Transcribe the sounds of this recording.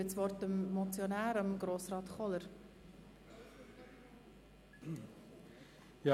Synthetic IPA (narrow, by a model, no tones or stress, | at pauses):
ət͡sʋɔɾtəmːɔt͡sjɔnæːɾɑmɡɾoːsrɑːtχɔləɾ | jɑ